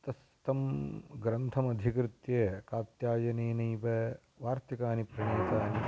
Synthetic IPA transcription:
t̪ɐs | t̪ɐmɡɾɐnt̪ʰɐmɐd̪ʱikɾɪt̪jeːkaːt̪jaːd͡ʒɐneːnɐːpɐ | ʋaːɾt̪ikaːnipɾɐɳeːsaːni

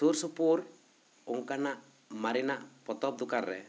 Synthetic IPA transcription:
suɾsupuɾ | uŋkanaʔ | maɾinaʔpɔt̪ɔp̚d̪ukaɾːɛ̰

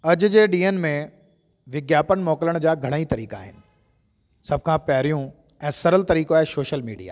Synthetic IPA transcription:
ɐd͡ʑʊ̆d͡ʑeːɖiːənmẽ | ʋɪɡjaːpəñmɔːkɪləɽ̃d͡ʑaːɡʱɐɽ̃ait̪ɐɾḭːka̰ːɦɪ̰nɪ̆ | sɐb̚ʱkʰãːpɐɦɾijũ | ɛ̃ːsɐɾəlt̪ɐɾiːkoaːɦesoːʃəlmiːɖija̰ː

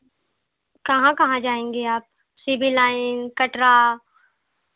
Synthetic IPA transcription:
kɐɦãkɐɦãd͡ʒaːẽːŋɡeaːp̚ | siːbʱilaːɪnkɐʈɾa

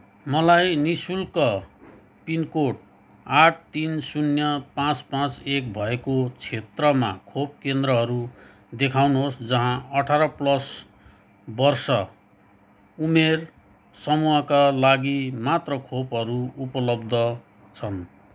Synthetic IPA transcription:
mʌlajnisulkʌ | pinkoʈ̚ | aʈ̚ʰt̪insunjʌpãt͡spãt͡sek̚bʱʌekot͡sʰet̪rʌma̰kʰop̚kend̪rʌɦʌɾu | d̪ekʰawnuɦosd͡zʌɦãʌʈʰaɾʌplʌs | bʌrsʌ | umer | sʌmuɦʌkalaɡimat̪rʌkʰopɦʌɾuupʌlʌbd̪ʱʌ | t͡sʰʌn

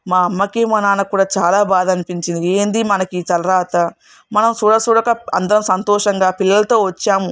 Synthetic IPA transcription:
maːɐmːɐkeːmɐnaːnɐkːuːɽaːt͡ʃaːlaːbaːd̪ʱɐnipiɲt͡ʃind̪ieːnd̪imɐnɐkiːt̪ɐlɐɾaːt̪ɐ | mɐnɐmsuɽɐsuɽɐkɐɐ̰nd̪ɐɾɐmsɐnt̪ɔːʂɐŋɡaːpilːɐlɐt̪o̞ːʋɐt͡ʃːaːmu

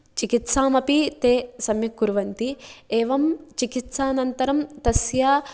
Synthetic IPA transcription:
t͡ʃikit̪saːmɐpit̪eːsɐmjɐkːuɾʋɐnt̪ieːʋɐmt͡ʃikit̪saːnɐnt̪ɐɾɐmt̪ɐsjaː

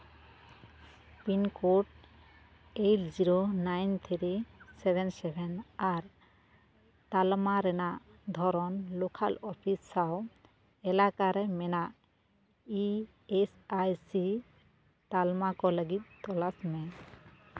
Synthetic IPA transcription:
pinkoʈ | ejld͡ʒiɾonajnt̪ʰiɾisɛbʱɛnsɛbʱɛnaɾ | t̪almaɾɛnaʔd̪ʱɔɾɔnlokʰalɔpʰisaw | ɛlakaɾɛmɛnaʔ | i | esajsi | t̪almakɔləɡit̪̚t̪ɔlasmɛ

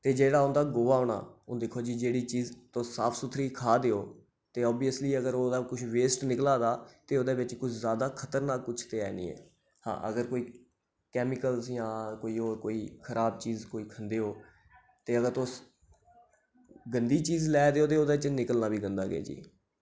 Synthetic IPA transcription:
t̪eːd͡ʒeːɽaːʊnd̪aːɡoːʋaːoːɳa̰ːõːd̪ɪkʰoːd͡ʒiːd͡ʒeːɽiːt͡ʃiːzt̪oːsaːpʰsʊt̪ʰɾiːkʰaːd̪eːoː | t̪eːɔːbijəsliːəɡəɾoːd̪aːkʊt͡ʃʰʋeːsʈnɪklaːd̪aːt̪eːoːd̪eːbɪt͡ʃkʊt͡ʃʰzjaːd̪aːkʰət̪əɾnaːkːʊt͡ʃʰt̪eːɛ̰ːnḭːɛ̰ː | hã̰ːʔə̰ɡəɾkoːiː | kɛːmɪkəlsjãːkoːiːoːkoːiːkʰəɾʔaːb̚t͡ʃiːzkoːiːkʰənd̪eːoː | t̪eːəɡəɾt̪oːs | ɡənd̪iːt͡ʃiːzlɛːd̪eːoːd̪eːoːd̪eːɪt͡ʃnɪkəlnaːbʱiːɡənd̪aːɡḛːd͡ʒḭː

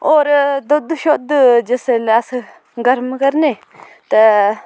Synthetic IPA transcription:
oːɾd̪od̪uʃod̪d͡ʒeselɐsɨ | ɡɐɾmkɐɾne | t̪ɐ

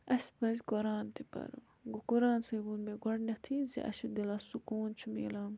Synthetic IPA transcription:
ɐspɐz̬ʲɡoɾaːnt̪ipɐ̰ɾṵ | ɡokuɾaːnsɐɡunmeɡɔɽnɐt̪ʰizḭʔɐ̰ʃud̪ilaːsukuːnt͡ʃʰumḛːlaːm

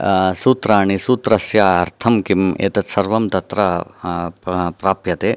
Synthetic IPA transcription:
suːt̪ɾaːɳisuːt̪ɾɐsjaːɐɾt̪ʰɐmkimḛːt̪ɐt̪sɐɾʋɐmt̪ɐt̪ɾɐ | pɾaːpjɐt̪eː

